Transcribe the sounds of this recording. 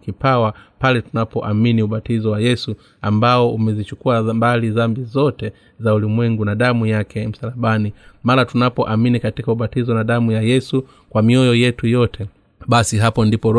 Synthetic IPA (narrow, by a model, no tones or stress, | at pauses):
kipawapalɛtunapɔʔaminiuɓatizɔwajɛsu | ambaɔumɛzit͡ʃukuambalizambizɔtɛ | zaulimwɛŋɡunaɗamujakɛm̩salaɓanimaɾatunapɔʔaminikatikauɓatizɔnaɗamujajɛsu | kwamiɔjɔjɛtujɔtʰɛ | ɓasiɦapɔndipɔɾ